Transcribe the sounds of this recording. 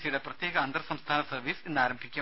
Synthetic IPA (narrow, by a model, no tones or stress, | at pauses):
sijuɽeprɐt̪jeːɣɐɐnd̪rɐsɐmst̪ʰaːnɐsɐrʋiːsenːaːɾɐmbʱikʲːɐ